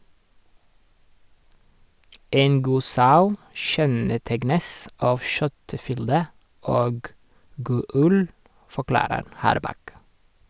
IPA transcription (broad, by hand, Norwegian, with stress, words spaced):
ˈeːn ˈɡuː ˈsɑʉ ˈʃɛnəˌtɛɡnəs ˈɑːʋ ˈʃœtəˌfʏldə ˈoːɡ ˈɡuː ˈʉl fɔˈklɑːɾəɾ ˈhɑːɾˌbɑk